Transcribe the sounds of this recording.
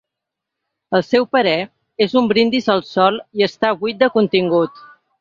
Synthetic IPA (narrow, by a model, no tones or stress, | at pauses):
əlˠsɛwpəɾɛ | ezumbɾind̪izəlˠsɔlˠiəst̪aβujt̪̚d̪əkunt̪iŋɡut̪